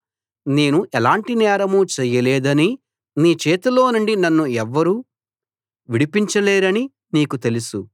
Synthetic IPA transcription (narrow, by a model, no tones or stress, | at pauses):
ne̞ːnuʔɛlaːɳʈinɛːɾɐmuːt͡ʃɛːjɐleːd̪ɐni | niːt͡ʃɛːt̪ulo̞ːnuɳɖinɐnːuɛʋːɐɾuː | ʋiɽipiɲt͡ʃɐleːɾɐni | niːkut̪e̞lusu